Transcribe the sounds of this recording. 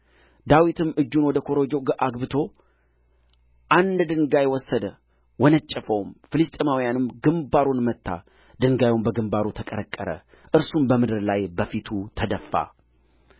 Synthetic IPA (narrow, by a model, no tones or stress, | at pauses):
d̪awit̪ʰɨmʔɨd͡ʒːunwɔd̪əkʰo̞ɾod͡ʒo̞ɡʔaɡbɨt̪ʰo̞ | ʔand̪d̪ɨŋɡajwɔsːəd̪ə | wɔnət͡ʃʼːɛfəwmfɨlɨst̪ʼemawijanɨmɡɨmbaɾonmət̪ːa̰ | d̪̥ɨŋɡajumbəɡɨmbaɾut̪ʰəkʼəɾəkʼːəɾə̰ | ʔɨɾsumbəmɨd̪ɨɾlajbəfit̪ʰut̪ʰəd̪əfːa̰